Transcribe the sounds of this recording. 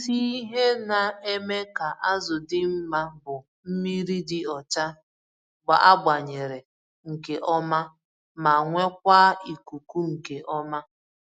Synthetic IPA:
si˦i˦ɦe˦na˨e˦me˦ka˨ʔa˦zʊ˨dɪ˦m̩˦ma˦bʊ˨ | m̩˦mi˦ɾi˦dɪ˦ɔ˨t͡ʃa˦ | ɡ͡ba̰˨ʔa˦ɡ͡ba˨ɲe˨ɾe˨ | ŋ̩˨ke˨ʔɔ˦ma˦ | ma˨ŋʷe˦k̚ʷaː˦i˨ku˨ku˦ŋ̩˨ke˨ʔɔ˦ma˦

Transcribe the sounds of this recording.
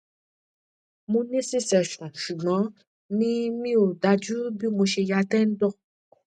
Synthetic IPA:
mũ˧nẽ˦se˦sɛ˨ʃɔ̃˨ʃu˨mã˨˦ | nĩ˦mĩ˦o˨da˧d͡ʒu˦bi˦mõ˧ʃe˧ja˧tɛ˦n̩˦dɔ˦˨

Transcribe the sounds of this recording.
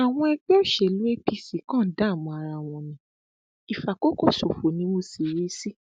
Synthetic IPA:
a˨w̃ɔ̃˧ɛ˧ɡ͡bɛ˦o˦˨ʃɛ˨lu˨˦e˦pi˧si˨˦kã˦˨˦da˨˦˨mɔ̃˧a˧ɾa˧˨w̃ɔ̃˨nĩ˨˦ | i˨fa˨ko˦ko˦˨so˨fo˨nĩ˧˦mo˧si˨ɾi˨˦si˦

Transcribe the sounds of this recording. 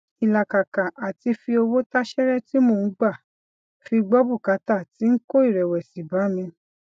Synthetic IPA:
i˨la˨ka˨kã˨ʔa˨ti˧fi˧o˧wo˦ta˦ʃɛ˦ɾɛ˦ti˦mõ˦˨˦ɡ͡ba˦˨ | fi˧ɡ͡bɔ˦bu˦˨ka˨˧ta˦˨ti˨˦n̩˦ko˦i˦˨ɾɛ˨wɛ˨si˨ba˨˦mĩ˧

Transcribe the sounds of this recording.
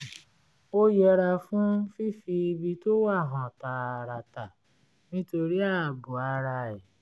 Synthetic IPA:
o˦jɛ˧ɾa˧fũ˦fi˦fi˧i˧bi˧to˦wa˦˨ɦã˨ta˧˨ɾa˧ta˨ | nĩ˦to˧ɾi˦a˦˨bu˨a˨˧˦ɾa˧ɛ˨

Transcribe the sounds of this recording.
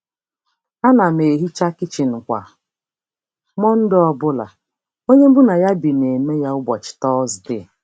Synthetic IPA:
a˦na˨m˨e˨ɦi˦t͡ʃa˦kɪ˦t͡ʃi˨n̩˨kʷa̰˨ | mɔ˦n̩˦dɪ˦ɔ˦bʊ˦la̰˨ | o˦ɲe˦m̩˦bʊ˦na˨ja˦bi˨ne˨me˦ja˦ʊ˦bɔ˨t͡ʃɪ̥˨tɔ˦zde˦˨

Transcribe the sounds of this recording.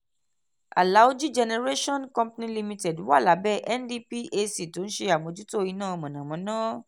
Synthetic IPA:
a̰˨la˨˦o˦d͡ʒu˦d͡ʒɛ˧nɛ˧ɾe˦ʃɔ̃˦nkɔ̃˧mpnĩ˧li˧mĩ˧tɛ˨du˨˦wa˦˨la˨˦bɛ˦ʔɛ˦ndi˦pi˦ʔe˧si˨to˨˦n̩˦ʃe˧a˨mõ˨˧d͡ʒu˦to˦˨i˧nãː˦˨ɔ˧mɔ̃˨nã˨mɔ̃˨˦nãː˦

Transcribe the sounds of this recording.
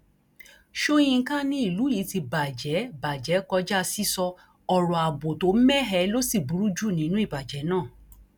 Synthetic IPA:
ʃo˦j̃ĩ˧˦kã˦nĩ˦i˦˨lu˨˦ji˨˦ti˧ba˨d͡ʒɛ˨˦ba˨d͡ʒɛ˨˦kɔ˧d͡ʒa˦˧si˦sɔ˧ | ɔ˧ɾɔ̃˨a˨bo˨to˨˦m̩˦mɛ˦ɦɛ˧˦lo˦si˦˨bu˨ɾu˦d͡ʒu˦˨nĩ˨˦nũ˦i˦˨ba˨d͡ʒɛ˨˦nãː˦˨

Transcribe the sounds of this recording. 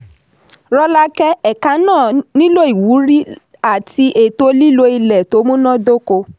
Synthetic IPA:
ɾɔ˧la˧kɛ˦ɛ˨ka˨˦nãː˦˨nĩ˦lo˦i˨wu˨˦ɾi˦ | a˨tʰi˧ʔe˨to˧li˦lo˦i˧lɛ˨to˨˦mũ˦nã˦do˦ko˧

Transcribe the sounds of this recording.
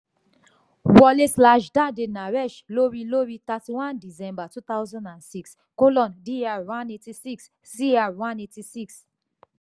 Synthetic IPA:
wɔ˦le˦slaʃda˦de˨na˨ɹɛ˦ʃlo˦ɹi˨lo˦ɹi˨ta˨ti˨wã˦ndi˨zɛ̃˦mba˨tu˦t̪a˦ʊzɔ̃˦ndã˨nsi˦ks | ko˦lɔ̃˨ndi˦awã˦neti˨si˦ks | si˦a˨wã˦neti˨si˦ks

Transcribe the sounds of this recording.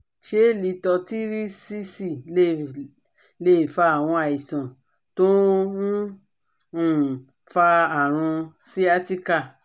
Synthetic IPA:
ʃe˨˦˨li˨˦tɔ˧ti˦ɾi˦si˦si˦˨˦ | le˦i˨fa˧a˨w̃ɔ̃˧a˨i˨sã˨ | tõ˦˨ | fa˧a˨ɾ̃ũ˧si˦a˧˦ti˦ka˦˨

